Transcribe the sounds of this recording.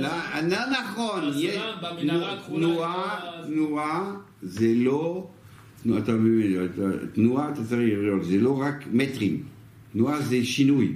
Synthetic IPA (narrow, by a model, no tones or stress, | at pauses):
lananaχɔnjɛʃnut̪nuatt̪nua | zɛlo | tnuat̪amøat̪at̪nuat̪at͡saʁiʁolzɛloʁakmɛt̪ʁim | t̪nuazɛʃinuj